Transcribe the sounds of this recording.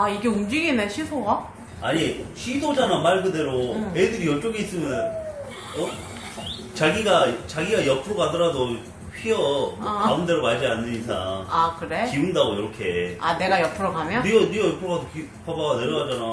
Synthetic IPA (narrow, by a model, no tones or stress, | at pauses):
aiɡe̞umd͡ʑiɡineɕʰisʰoɡa | aɲiɕʰidod͡ʑanamaɭɡɯde̞ɾoeidɯɾijʌt͡ɕ͈oɡiis͈ɯmjʌn | ʌ | t͡ɕaɡiɡat͡ɕaɡiɡajʌpʰɯɾoɡadʌɾado | ɸʰiʌkaɯmde̞ɾomad͡ʑianːɯɲisʰaŋakɯɾe̞kiɯndaɡoiɾʌkʰe̞ane̞ɡajʌpʰɯɾoɡamjʌniʌnijʌjʌpʰɯɾoɣadokʰi | pʰabaɡaneɾʌɡad͡ʑana